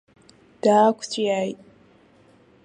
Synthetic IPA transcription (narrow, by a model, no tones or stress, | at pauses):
d̥aːkʷʰt͡ɕʷʰʼjajtʼ